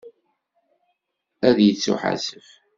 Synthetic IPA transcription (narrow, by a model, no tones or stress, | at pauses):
æðjət͡sːṵħa̰səf